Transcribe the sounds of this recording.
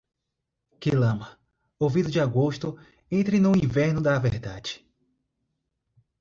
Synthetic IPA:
kelɐ̃mɐ | ovid̪ʊd͡ʒɪaɡoʃt̪ʊ | ẽnt̪ɾɪnʊ̃ĩvɛɾnʊd̪ɐvɛɾd̪ad͡ʒɪ̥

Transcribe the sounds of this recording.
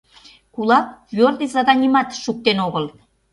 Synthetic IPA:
kulˠɑk̚vord̪izɑd̪ɑnʲimɑt̪ʃuk̚t̪enoɣəl

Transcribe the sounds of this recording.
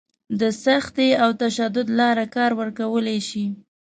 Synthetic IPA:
d̪əsaxt̪eawt̪aʃad̪ʊd̪lɑɾakɑɾwəɾkawəlaʃi

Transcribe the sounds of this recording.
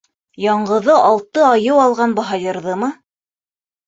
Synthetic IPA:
jɑɴɢɤ̆ðɤʔɑlˠt̪ɤɑjɤwɑlˠʁɑnbɑɦɑjɤ̆ɾðɤmɤ

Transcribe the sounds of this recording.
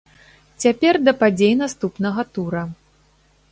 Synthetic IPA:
t͡sʲapʲɛrd̪ɐpad͡zʲejnast̪upnɐɣɐt̪uɾɐ

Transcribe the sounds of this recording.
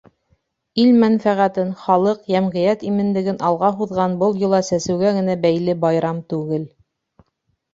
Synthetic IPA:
ilmænfæʁæt̪ɘnχɑlˠɤqjæmʁĭjæt̪imɘ̆nlɘ̆ɡɘnɑlˠʁɑɦuðʁɑnbɤlˠjɤ̆lˠɑsæsɘ̆wɡæɡɘ̆næbæjlɘbɑjɾɑmt̪ʉɡɘl

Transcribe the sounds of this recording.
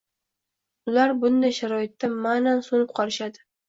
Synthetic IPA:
ʊlaɾbʊnd̪ajʃaɾɒɪt̪ːamanansonɪp̚qʰɒɾɪʃad̪ɪ

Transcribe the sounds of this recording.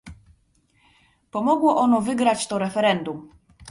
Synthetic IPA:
pɔmɔɡwɔʔɔnɔvɘɡɾat͡ɕt̪ɔɾɛfɛɾɛnd̪um

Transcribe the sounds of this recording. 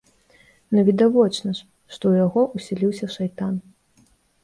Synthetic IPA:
nɐvʲid̪avɔt͡ʂnɐʂ | ʂt̪ɔwjaɣɔʔusʲɛlʲiwsʲɐʂajt̪an

